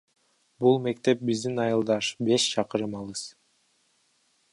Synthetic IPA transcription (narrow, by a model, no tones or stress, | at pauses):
bulˠme̞kt̪e̞p̚bizd̪inɑjɯlˠd̪ɑʃbe̞ʃt͡ʃʰɑqɯɾɯmɑlˠɯz̥